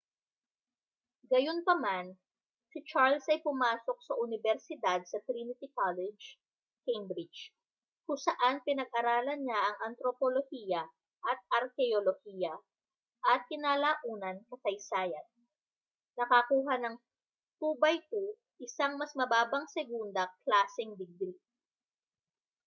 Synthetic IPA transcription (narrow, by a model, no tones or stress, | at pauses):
ɡɐjo̞npɐman | sɪt͡ʃaɹlsɐjpʊmaːso̞k̚sɐʔʊnɪbɛɾsɪd̪ad̪̚sɐt̪ɾinɪt̪ɪkalɛd͡ʒ | kejmbɾɪd͡ʒ | kʊŋsɐʔanpɪnɐɡ̚ʔɐɾaːlɐnɲaʔɐŋʔɐnt̪ɾopolohiːjɐ | ʔɐt̪̚ɐɾkɛolohiːjɐ | ʔɐt̪̚kɪnaːlaːʔuːnɐnkɐt̪ɐjsaːjɐnː | ɐkɐkuːɦɐnɐŋ | t̪uːbɐjk̪o | ʔɪsaŋmɐsmɐbaːbɐŋsɛɡund̪ɐklaːsɛŋd̪ɪɡ̚ɡɾi